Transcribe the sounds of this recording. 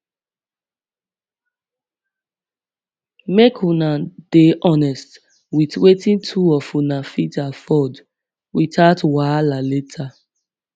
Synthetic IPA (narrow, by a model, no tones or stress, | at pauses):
mekʰũnad̥eʔɔnɛst | witwetĩntʰuɔfũnafitafɔd | ɹitʰatwajlaletʰa